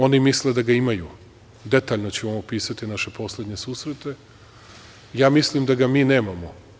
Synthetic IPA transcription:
o̞nimisled̪aɡaimaju | d̪e̞t̪aːʎnot͡ɕeomopiːsat̪inaʃe̞po̞slˠed̪ɲesuːsɾet̪e̞ | jaːmislimd̪aɡamiːne̞ːmamo

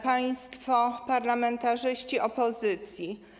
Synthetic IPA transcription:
paj̃st̪fɔpaɾlamɛnt̪aʐɘɕt͡ɕiʔɔpɔzɘt̪sʲji

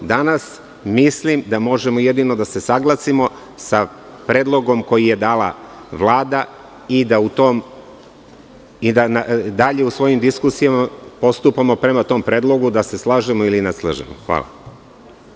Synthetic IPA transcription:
d̪anas | mislimd̪amo̞ʒe̞mojed̪ino̞d̪ase̞saɡlasimo̞ | sa | pɾe̞ːd̪lˠo̞ɡo̞mko̞jije̞d̪aːla̰ʋlˠaːd̪a | id̪aut̪oːm | id̪anad̪aʎe̞usʋo̞jimd̪iskusijamapo̞st̪upamo̞pɾe̞mat̪o̞ːmpɾe̞ːd̪lo̞ɡud̪ase̞slˠaːʒemoilineslˠa̰ʒḛmo̰xʋa̰ːlˠa̰

